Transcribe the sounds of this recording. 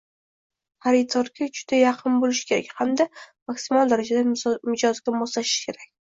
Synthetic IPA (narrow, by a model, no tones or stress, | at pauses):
haɾɪt̪ʰɒɾkʲʰad͡ʒʊd̪ajɑqʰɨnbolɪʃkʲe̞ɾa̰kʲhamd̪amaksɪmɒlˠd̪aɾad͡ʒad̪amɪd͡ʒɒzɡʲamɒslaʃɪ̥ʃkʲʰe̞ɾakʲ